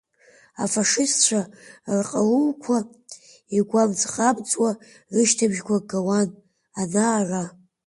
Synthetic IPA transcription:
afaʂɪstʰt͡ʃʷʰarqʼaluːkʷʰa | iɡʷamd͡zʼχabt͡sʼwa | rɨʃtʰabʒɡʷaɡawan | anara

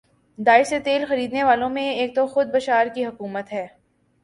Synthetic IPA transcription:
d̪aːɪset̪eːlxɐɾiːd̪neʋaːlõmẽeːk̚t̪oxʊd̪̚bɐʃaːɾkiɦɐkuːmət̪ɦɛː

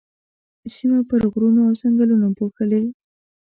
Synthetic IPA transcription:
simapəɾɣɾunoawsaŋɡəlunapoxəle

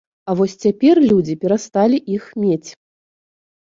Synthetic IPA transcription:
ɐvɔsʲt͡sʲapʲɛrlʲud͡zʲipʲɛɾast̪alʲiʔixmʲet͡sʲ

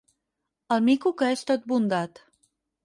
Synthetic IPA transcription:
əlˠmikukəest̪ot̪̚bund̪at̪

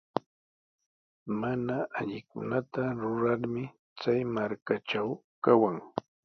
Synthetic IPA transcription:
manaaʎɪkʊ̰nat̪aɾʊɾaɾmɪ | t͡sajmaɾkaʈ͡ʂaw | kawaŋ

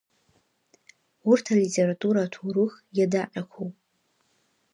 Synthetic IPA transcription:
urtʰalitʼe̞ɾatʼuɾatʰuɾɨx | jadaqʲʼakʷʰowpʼ

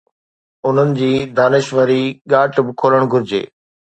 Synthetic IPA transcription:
ʊn̤ənɪ̆d͡ʑiːd̪aːnɪʃʋəɾiɠaːʈbɪkʰoːləɽ̃ɡʱʊɾɪd͡ʑḛː

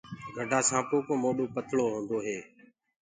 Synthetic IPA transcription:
ɡʱəɖʱaːsãːpoːkõːmoːɗoːpət̪ʰɭoːɦõːnd̪oːɦeː

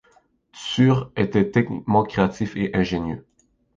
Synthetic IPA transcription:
t̪syːʁet̪ɛt̪ɛknḭk̚mɑ̃kʲχeat̪ifeʔɛ̃ʒenjø̰

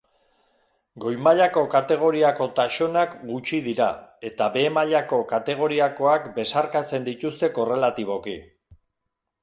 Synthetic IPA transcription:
ɡo̞jmaʎako̞kat̪e̞ɣ̞o̞ɾiako̞t̪aʃonakɡut͡ʃiðiɾae̞t̪aβe̞ːmaʎako̞kat̪e̞ɣ̞o̞ɾiako̞akbe̞saɾkat͡se̞nd̪it̪ust̪e̞ko̞re̞lat̪iβ̞o̞ki

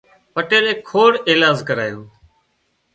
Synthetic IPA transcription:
pəʈeːɾeːkʰːoːɽeːlaːzkəɾaːjoː

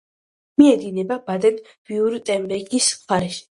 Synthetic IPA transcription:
miɛd̪inɛbabad̪ɛn | v̥iuɾt̪ʼɛmbɛɡisχaɾɛʃi̥

